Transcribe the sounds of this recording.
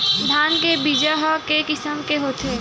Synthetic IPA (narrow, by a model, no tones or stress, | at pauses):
d̪ʱaːnkebid͡ʒaɦakekɪsəmkeɦoːt̪ʰeː